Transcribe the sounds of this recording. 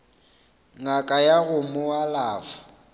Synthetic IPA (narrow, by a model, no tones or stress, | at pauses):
ŋakʼajaɣʊmʊwalaːfḁ